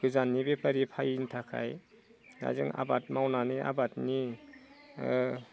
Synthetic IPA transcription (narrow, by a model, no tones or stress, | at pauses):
ɡɯzanːibepəɾipʰajintʰakʰa̰j | na̰jzɯŋa̰bat̚mawnaniʔa̰batni